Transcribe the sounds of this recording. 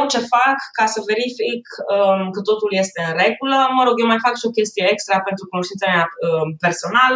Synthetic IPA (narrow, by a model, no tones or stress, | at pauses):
t͡ʃe̞fakːasəve̞ɾifikəkət̪o̞t̪ulje̞st̪e̞ɨnre̞ɡuləməɾo̞ɡjewmajfakʃio̞kʲe̞st̪ijeekst̪ɾape̞nt̪ɾukunoʃt̪int̪sameaəpe̞rso̞nal